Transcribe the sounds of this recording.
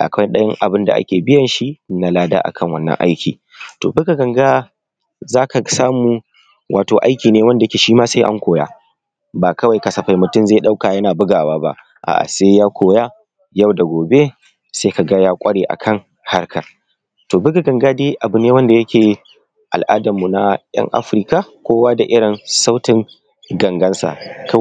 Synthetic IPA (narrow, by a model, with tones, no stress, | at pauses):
ʔa̰˨kɐ˦ɗɐ˦jɐ˦ŋʔa˨bɪ˦nda̰˨ʔa̰˦kʲeː˨bɪ˦jɐ˨nʃi˦na˦laː˦da̰ː˦ʔa̰˨kʰɐ˦ŋwɐ̰˦nːɐ̰˦ŋʔa̰˦jkʲʰḭː˨ | to̰ː˨bɪ˦ɡa˨ɡɐ˨ŋɡa˦ | zaː˦ka˨saː˦muː˨˦ | wʔaː˨toː˨ʔa̰˦jkʲiː˨neː˦wɐ˦nda˨jkʲeː˨ʃiː˦maː˦sa˦ʔa̰˦ŋkʷoː˨ja̰ː˦ | baː˨kɐ˦wa˨jkɐ˨sɐ˨ɸa˦jmʊ˨tʊ˦mze˦˨ɗa˦wkaː˨jɐ˦naː˨bʊ˦ɡaː˨waː˦ba̰˦ʔ | ʔa̰ː˨ʔa̰˨seː˦jaː˦kʷʰoː˨jaː˦ | ja˦˨wda˨ɡʷoː˨be˦ | sa˦ka˨ɡa˦jaː˦kʷʼɐ˦ɽeː˨ʔa̰˨kʰɐ˦˨ŋ | ha˦rkʰa˨ | toː˨bʊ˦ɡa˨ɡɐ˨ŋɡaː˦deː˦ʔa˨bʊ˦˨neː˦wɐ˦nda˨jɐ˦kʲeː˨ | ʔa˨lʔa̰ː˦dɐ˨mːu˨na˨j̰ɐ̰˦ŋʔa̰˦ɸɾɪ˦ka˨kʷoː˦wa˦da˨ʔɪ˦ɽɪ˨nsa˦wtɪ˨ŋ | ɡɐ˨ŋɡɐ˦nsa̰˨k